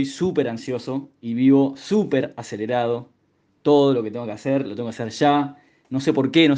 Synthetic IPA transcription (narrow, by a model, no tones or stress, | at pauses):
jsupe̞ɾansjo̞so̞iβiβo̞supeɾaseleɾaðo̞ | t̪o̞ðo̞lo̞ket̪eŋɡokeaseɾlot̪eŋɡokaseɾʃa | no̞se̞po̞ɾke̞no